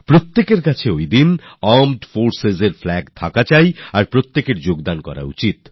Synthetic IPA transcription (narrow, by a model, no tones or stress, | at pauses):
pɾot̪ːekeɾkat͡ɕʰeojd̪inamɖfoɾsezeɾflɛɡt̪ʰakat͡ɕajaɾpɾot̪ːekeɾd͡ʑoɡd̪ankɔ̰ɾa̰ṵt͡ɕit̪